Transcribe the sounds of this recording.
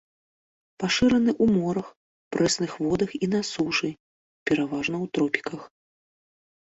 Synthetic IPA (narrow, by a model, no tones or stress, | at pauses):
paʂɨɾɐnɨʔumɔɾɐx | pɾɛsnɨxvɔd̪ɐxinasuʐɨ | pʲɛɾavaʐnɐwt̪ɾɔpʲi̥kɐx